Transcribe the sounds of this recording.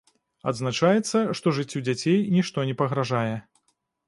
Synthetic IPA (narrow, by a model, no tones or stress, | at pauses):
ɐd̪znat͡ʂajɛt̪sːɐʂt̪ɔʐɨt͡sʲːud͡zʲat͡sʲejnʲiʂt̪ɔnʲɛpɐɣɾaʐajɛ